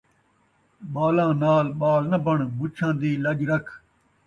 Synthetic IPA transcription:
ɓaːlãːnaːlɓaːlnəbəɳbʊt͡ʃʰãːd̪iːləd͡ʒɾəkʰ

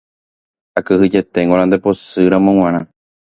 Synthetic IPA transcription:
akɨhɨd͡ʒe̞t̪e̞ŋɡoɾ̃ãnd̪epo̞sɨɾãmõw̃ʷãɾã

